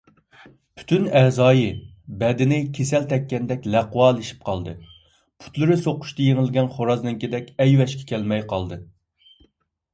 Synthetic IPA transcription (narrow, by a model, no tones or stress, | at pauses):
pʰy̥t̪ʰynɛzɑːjɪ | bɛd̪ɪnɪkʲʰesɛlt̪ʰɛkʲːɛnd̪ɛkʲlæqwɑːlˠiʃi̥p̚qʰɑlˠd̪ɨ | pʰu̥t̪lˠɨɾɨsoqʰʊ̥ʃt̪ɨjeŋɪlɡʲɛnχoɾɑznɨŋkʲid̪ɛkʲɛjwɛʃkʲɛ̥kʲʰɛlmɛjqɑlˠd̪ɨ